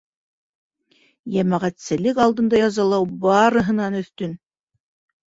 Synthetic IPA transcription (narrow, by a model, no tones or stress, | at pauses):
jæmæʁæt̪sɘ̆lɘkɑlˠd̪ɤ̆nd̪ɑjɑzɑlˠɑwbɑɾɤ̆ɦɤ̆nɑnɵ̆θt̪ɵn